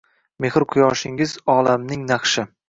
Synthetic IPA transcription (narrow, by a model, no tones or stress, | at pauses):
me̞hɾqʰʊjɒʃɪŋɪzɒlamnɪŋnɑχʃɪ